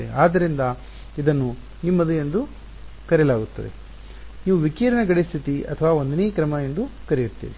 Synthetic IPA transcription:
eaːd̪ːɐɾind̪ɐ | id̪ɐnːu | nimːɐd̪uje̞nd̪u | kɐɾjɐlaːɡut̪ːɐd̪ḛ | niːʋuʋikiːɾɐnɐɡɐɽist̪ʰit̪iɐ̰t̪ʰɐʋaːo̞nd̪ɐneːkɾɐmɐje̞nd̪ukɐɾejuɾt̪ːḭːʋi

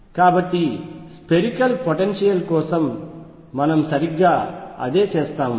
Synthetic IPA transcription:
kaːbɐʈːispeɾikɐlpoʈenʃijɐlkɔːsɐmː | ɐnɐmsɐɾiɡːaːɐ̰d̪eːt͡ʃeːst̪aːm

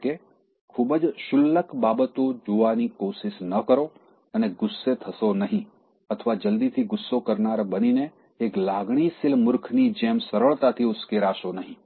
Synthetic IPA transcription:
ke | kʰubəd͡ʒʃʊlːəkbabət̪od͡ʒoʋanikoʃɪʃnəkəɾo | əneɡʊsːet̪ʰəʃonəɦĩ | ət̪ʰəʋad͡ʒəld̪it̪ʰiɡʊsːokəɾnaɾbənineː | klaɡɳ̃isɪlmʊɾkʰnid͡ʒemsəɾəɭt̪at̪ʰiʊskeɾaʃonəɦĩ

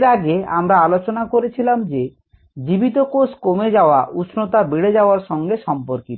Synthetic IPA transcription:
ɾaɡea̰mɾaalot͡ɕonakoɾet͡ɕʰilamd͡ʑe | d͡ʑibit̪okoskomed͡ʑaoaʔusʰnot̪abiɽed͡ʑaoaɾʃɔŋɡeʃɔmpoɾkit̪o

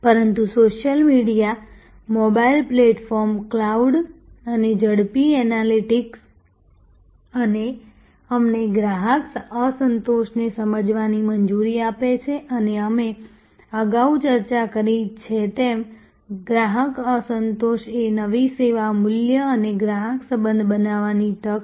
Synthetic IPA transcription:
pəɾənt̪usoʃjəlmiɽija | mobailpleʈfɔɾmklauɖəned͡ʒəɽpiɛnaliʈiks | əne | əmneɡɾaɦəksəsənt̪oʃnesəməd͡ʒʋanimənd͡ʒuɾiapet͡ʃʰeʔəneəme | əɡaut͡ʃəɾt͡ʃakəɾit͡ʃʰet̪em | ɡɾaɦəkəsənt̪oʃenəʋiseʋamʊljəəneɡɾaɦəksəbənd̪ʱbənaʋanit̪ək

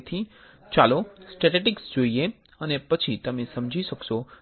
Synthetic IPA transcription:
t̪ʰi | t͡ʃalosʈeʈeʈɪksd͡ʒoie | ənepət͡ʃʰit̪əmesəmd͡ʒʱiʃəkʃo

